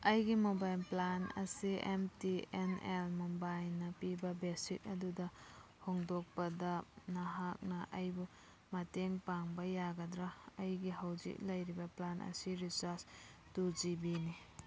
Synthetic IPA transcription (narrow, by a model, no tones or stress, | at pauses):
ɐjɡimobajlplanɐ̰siʔemtienelmobajlnɐpibɐbesik̚ɐdudɐ | hoŋdok̚pɐdɐnɐɦak̚nɐʔɐjbu | mɐteŋpaŋbɐjaɡɐdɾaɐjɡiɦawzḭk̚lɐjɾibɐplanʔɐ̰siɾisaɾs | tuzibini